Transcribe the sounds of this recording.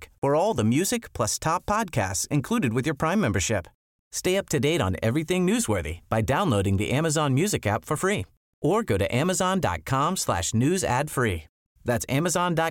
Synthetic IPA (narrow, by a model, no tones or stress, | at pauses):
fə˞ɔlˠðəmjʉzɨkpʰl̥ʌstʰɑpʰːɑd̚kʰæ̰stsɨ̃nkʰl̥uɾɨd̚wɨðjə˞pʰɹ̥ãɪ̃mːɛ̃mbə˞ʃɪp | steɪʌp̚tʰɨdeɪɾ̃n̩ɛ̰vɹiθɪ̃ŋnʉzwə˞ðḭb̥aɪdãʊ̃nloʊɾɪ̃ŋðḭʔæməzɑ̃nmjʉzɨkæpfə˞fɹi | ʔə˞ɡoʊɾɨ̰ʔæməzɑ̃ndɑ̰t̚kʰɑ̃mslæ̰ʃnʉzæ̰d̥fɹi | ðætsæməzɑ̃ndɑ